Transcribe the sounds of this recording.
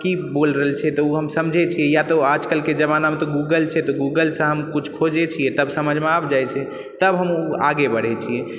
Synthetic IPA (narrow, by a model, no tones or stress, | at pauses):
kibolɾəɦəlt͡ʃʰɛt̪ɔuɦəmsəmd͡ʒʱɛt͡ʃʰijɛjat̪ɔad͡ʒkəlked͡ʒəbanamt̪ɔɡuɡəlt͡ʃʰɛt̪ɔɡuɡəlsə̃ɦəmkut͡ʃʰkʰod͡ʒet͡ʃʰijɛt̪əbsəməd͡ʒʱmeabʰd͡ʒajt͡ʃʰɛ | t̪əbɦəmua̰ɡebəɽ̤ɛt͡ʃʰiɛ